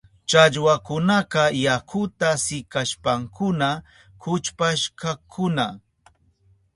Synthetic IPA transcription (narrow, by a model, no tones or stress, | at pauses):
t͡ʃaʎwakʊnaqɑjakʰʊt̪asɪkaʃpaŋkʊna | kʊt͡ʃpaʃkakʰʊna